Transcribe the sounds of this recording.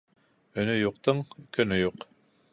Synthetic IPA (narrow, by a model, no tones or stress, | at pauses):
ɵ̆nɵjuq̚t̪ɤɴkʰɵ̆nɵjuq